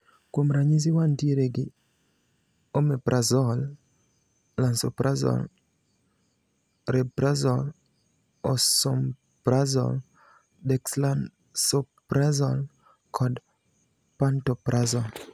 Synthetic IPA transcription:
komɾaɲis̬iwantieɾeɡɪ | omepɾʔazɔl | lansɔ̰pɾʔazɔ̰l | ɾɛpɾazɔl | ɔsɔm | pɾazɔ̰l | dɛkslan | sɔ | pɾazɔl | kʰɔd | pantɔpɾʔazɔl

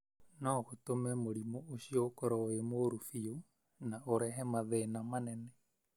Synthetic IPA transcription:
nɔɣotomɛmoɾimɔoɕiokɔɾɔemoɾufio | naoɾɛɦɛmaðɛnamanɛnɛ

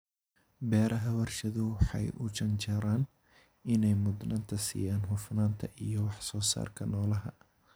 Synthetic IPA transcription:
bɛːɾʔɐɦɐwɐrʃɐðʊwɑħɑ̰jʊt͡ʃɐnt͡ʃɐɾaːn | ɪnɛjmʊd̪nɐnt̪ʰɐsḭːjaːnɦʊfnaːnt̪ʰɐʔijɔwɑħsɔːsa̰ːrkʰɐnɔːlɐɦɐ

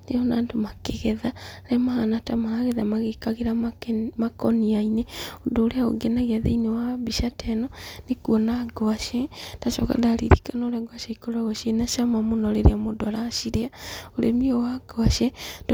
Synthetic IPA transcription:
neɔnaːndomakeɣɛðaɾɛmahanatamahaɣeðamaɣekaɣeɾamakɔniaineodoːɾeao̰ɡɛnaɣiaðḛinewabiʃatɛnɔnekuɔnaɡɔaʃɛd̥aʃɔ̰ka̰ndaɾḭɾikanɔɾɛɡwaʃaikoɾaɣɔʃenaʃamamonɔɾeɾeamodɔaɾaʃiɾeaoɾḛmiɔwaɡɔaʃɛd

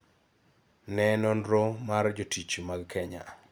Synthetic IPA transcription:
nɛnɔndɾomard͡ʒotit͡ʃmaɡkʰɛɲa̰

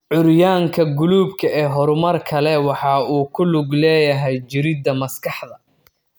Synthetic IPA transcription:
ʕʊɾjaːŋkʰɐɡʊluːbkʰɐɛːɦɔɾʊmɐrkʰɐlɛwɑħɑːuːkʰʊlʊɡlɛːjɐɦɛjd͡ʒɪɾɪd̪ɐmɐskʰɑħd̪ɐ

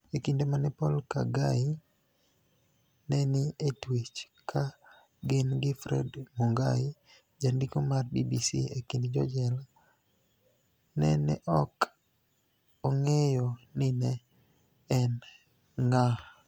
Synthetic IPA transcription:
ekindemanɛpɔlka̰ɡai | nɛnɪetwit͡ʃ | kʰa | ɡɪnɡɪfɾɛ̰dmuŋɡa̰i | d͡ʒandikomarbibisḭekindd͡ʒɔ̰d͡ʒɛla | nɛnɛ̰ʔɔk | ɔŋɛjɔnɪnɛ | ɛn | ŋa

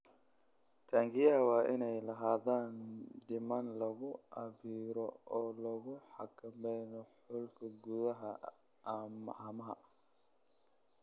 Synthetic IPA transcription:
t̪ʰaːŋɡɪjɐɐwɑːʔɪnɛjlɐɦaːðaːnɖɪmɐnlɐɣʊʔɐβiːɾɔɔːlɐɣʊħɑkʰɐmɛjnɔħʊlkʰɐɡʊðɐɦɐ | mɐʔaːmɐɦɐ

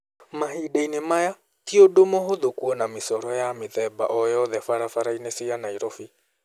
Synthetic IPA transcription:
maɦidainemaja | tiodomoɦoðokuɔnamesɔɾɔjameðɛbaʔɔjɔðɛfaɾafaɾaineseanaiɾofi

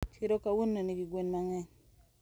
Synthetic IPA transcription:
t͡ʃiɾokawunːoniɡiɡwenmaŋɛ

